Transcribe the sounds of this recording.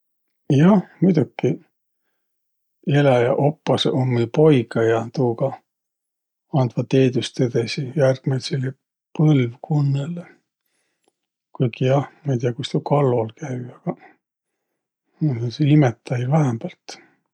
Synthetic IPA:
jɑhmujd̪ukːi | e̞lɑjɑʔo̞pːɑsʔonmelpo̞jɡɑjɑt̪uːkɑ | ɑnd̪vɑt̪e̞ːd̪ust̪ːed̪̥ɑsijærɡ̥met̪selːe | pɤlvkʰunːele | kujkijɑhmɑit̪iɑkust̪ukʰɑlːolkʰæjɑɡ̥ɑ | seimet̪ːˑɑjvæɦæmbɑlt̪

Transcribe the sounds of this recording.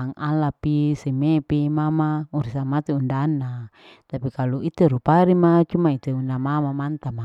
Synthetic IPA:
aŋalapisemepimamauɾisamat̪eundanːa | t̪apikaluit̪eɾupaɾimat͡ʃumait̪eundamamamant̪ama

